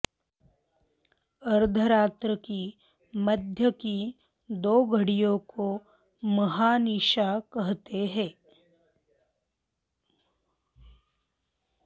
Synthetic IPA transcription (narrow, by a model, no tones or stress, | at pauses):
ɐɾd̪ʱəɾaːt̪ɾəki | məd̪ʱjəki | d̪oːɡʱəɽijõko | mɐɦaniʃakɐɦt̪eɦɛ̃ː